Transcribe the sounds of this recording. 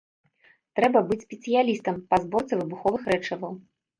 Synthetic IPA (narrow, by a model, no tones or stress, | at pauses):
t̪ɾɛbɐbɨt͡sʲsʲpʲɛt̪sɨjalʲist̪ɐmpɐzbɔrt̪sɨvɨbuxɔvɨxɾɛt͡ʂɐvɐw